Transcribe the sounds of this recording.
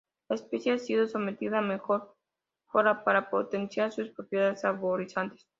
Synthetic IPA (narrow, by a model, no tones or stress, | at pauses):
laespesjeasiðo̞some̞t̪iðame̞xo̞ɾ | foɾapaɾapo̰t̪ensjaɾsuspɾo̞pjeðaðesaβoɾisant̪es